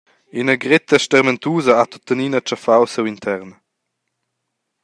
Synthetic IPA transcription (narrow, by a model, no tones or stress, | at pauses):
inəɡʁɪt̪əʃtɛʁmɛnt̪uːzəat̪ɔt̪əniːnət͡ʃafawsewint̪ʰɛʁn